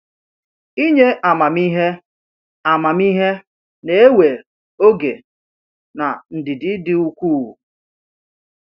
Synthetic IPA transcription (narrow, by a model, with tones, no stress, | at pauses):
i˦ɲe˦ʔa˨ma˨mi˦ɦe˦ | a˨ma˨mi˦ɦe˦ | ne˦e˦we˨ | o˦ɡe˨ | na˨n̩˨dɪ˨dɪ˨dɪ˦u˦kʷu˦˨ṵ˨